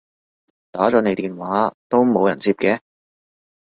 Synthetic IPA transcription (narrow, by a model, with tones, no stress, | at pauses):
t̪aː˨˥t͡sɔː˨˥ne˨˧jt̪iː˨nwaː˨˥t̪o˥wmo˨˧wjɐ˨˩nt͡siː˧p̚kɛː˧